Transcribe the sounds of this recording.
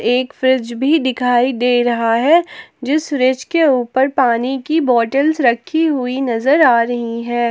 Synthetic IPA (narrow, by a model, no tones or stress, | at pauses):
eːkfɾɪd͡ʒbʱid̪ɪkʰaːid̪eːɾɐɦaɦɛd͡ʒɪsfɾɪd͡ʒkeuːpəɾpaːnikibɔːʈəlsɾɐkʰːiɦʊinɐzəɾaːɾɐɦiɦɛ̃ː